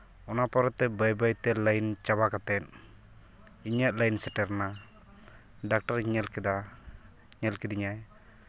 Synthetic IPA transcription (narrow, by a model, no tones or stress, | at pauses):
ɔnapɔɾɛt̪ɛbajbajt̪ɛlajnt͡ʃabakat̪ɛt̪̚ | iɲaʔ̪̚lajnsɛʈɛɾna | ɖak̚ʈaɾiɲɛlkɛd̪a | ɲɛlkɛd̪iɲaj